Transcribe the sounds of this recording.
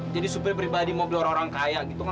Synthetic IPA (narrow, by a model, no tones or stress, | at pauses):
d͡ʒadisupɛrpɾibadimobiloɾaŋoɾaŋkajaɡit̪uka